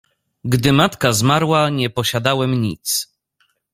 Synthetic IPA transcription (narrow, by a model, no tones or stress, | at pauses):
ɡd̪ɘmat̪kazmaɾwaɲɛpɔɕad̪awɛmɲit̪s